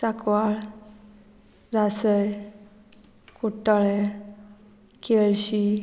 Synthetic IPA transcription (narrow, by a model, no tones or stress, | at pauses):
sakʋaɭ | ɾasəj | kuʈaɭe | keɭɕi